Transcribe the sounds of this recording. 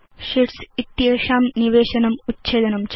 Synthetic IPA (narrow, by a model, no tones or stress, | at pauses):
ʂiʈsit̪ːjeːʂaːmniʋeːɕɐnɐmutt͡ɕeːd̪ɐnɐmt͡ɕ